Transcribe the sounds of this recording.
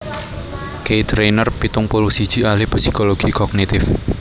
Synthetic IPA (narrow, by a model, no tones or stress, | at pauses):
kejt̪ɾenərpit̪ʊŋpolusid̥ʒ̥i̤alɪhpsikoloɡ̥ikɔknit̪ɪf